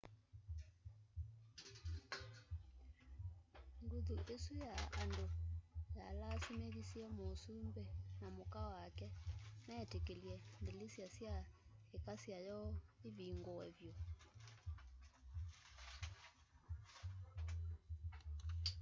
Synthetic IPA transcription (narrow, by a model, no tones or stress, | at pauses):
ŋɡuðuʔesujaːndojalasimeɣisiɛmosumbɛnamokawakɛmɛtekeljɛndelesjasjaekasjajɔeviŋɡowɛvjo